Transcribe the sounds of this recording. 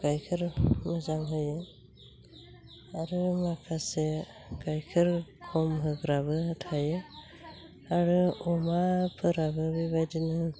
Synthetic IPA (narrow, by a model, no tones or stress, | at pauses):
kajkʰɯɾmɯzaŋɦɯjɯ | aɾɯmakʰase | kajkʰɯɾkʰɔmɦɯɡɾaβɯtʰajɯ | aɾɯɔmapʰɯɾabɯbibajdinɯ